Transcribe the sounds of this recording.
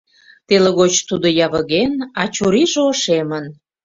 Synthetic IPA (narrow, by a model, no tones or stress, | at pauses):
t̪eleɣot͡ɕt̪ud̪ojɑβəɣenɑt͡ɕuɾiʒeoʃemən